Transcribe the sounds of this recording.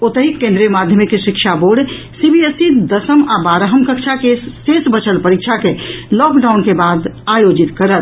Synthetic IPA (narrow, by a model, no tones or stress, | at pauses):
ot̪əɦikːẽnd̪ɾijəmad̪ʱjəmikːeʃikʃʰaboɖ | sibiesid̪əsəmabaɾəɦəmkəkt͡ʃʰakesesbət͡ʃʰəlpəɾikt͡ʃʰakelɔkɖawnkebad̪ajod͡ʒit̪kəɾət̪